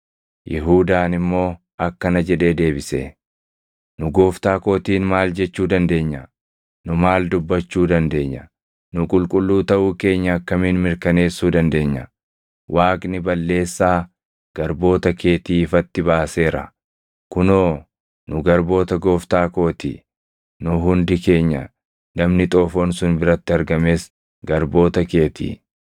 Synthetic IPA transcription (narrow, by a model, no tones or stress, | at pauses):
jɪɦuːd̪aːnɪmːo̞ː | ɐkːɐnɐd͡ʒɛᶑe̞ːd̪e̞ːbɪsḛː | nʊɡo̞ːft̪aːko̞ːt̪iːnmaːld͡ʒɛt͡ʃːuːd̪ɐnd̪e̞ːɲːɐ | nʊmaːld̪ʊbːɐt͡ʃːuːd̪ɐnd̪e̞ːɲːɐ | nʊkʼʊlkʼʊlːuːt̪ɐʔuːke̞ːɲːɐɐkːɐmiːnmɪɾkɐne̞ːsːuːd̪ɐnd̪e̞ːɲːɐ | wʔaːkʼnɪbɐlːe̞ːsːaː | ɡ̥ɐɾbo̞ːt̪ɐke̞ːt̪iːɪfɐt̪ːɪbaːse̞ːɾɐ̰ | kʊnoː | nʊɡɐɾbo̞ːt̪ɐɡo̞ːft̪aːko̞ːt̪ḭ | nʊɦʊnd̪ɪke̞ːɲːɐ̰ | nɐmnɪt̪ʼo̞ːfoːnsʊnbɪɾɐt̪ːɪɐɾɡɐme̞ːs | ɡɐɾbo̞ːt̪ɐke̞ːt̪ḭː